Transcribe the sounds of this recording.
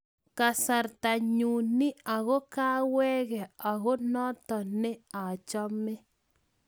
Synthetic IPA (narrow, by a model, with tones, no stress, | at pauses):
ka˨sa˨ɾt̪a˨ɲu˨nɪ˦a˨ɣo˦kaː˦wɛ˦ɣɛ˨a˨ɣo˦nɔ˦t̪ɔ˨nɪ˦a˨t͡ʃɔ˦mɪ˦